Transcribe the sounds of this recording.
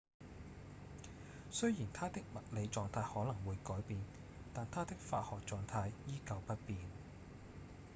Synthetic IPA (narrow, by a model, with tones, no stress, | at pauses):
sɵ˥jjiː˨˩nt̪ʰaː˥t̪ɪ˥k̚mɐ˨t̚le˨˧jt͡sɔː˨˧ŋt̪ʰaː˧jhɔː˨˥lɐ˨˩ŋwuː˨˧jkɔː˨˥jpiː˨˧n | t̪aː˨nt̪ʰaː˥t̪ɪ˥k̚faː˧t̚hɔː˨k̚t͡sɔː˨ŋt̪ʰaː˧jːiː˥kɐ˧wpɐ˥t̚piː˨n